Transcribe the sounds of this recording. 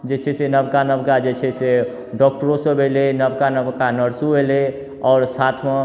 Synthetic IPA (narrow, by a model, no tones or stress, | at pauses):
d͡ʒet͡ʃʰɛsenəbkanəbkad͡ʒet͡ʃʰɛse | ɖɔk̚ʈəɾõsəbʱelenəbkanəbkanəɾsubele | ɔːɾsat̪ʰme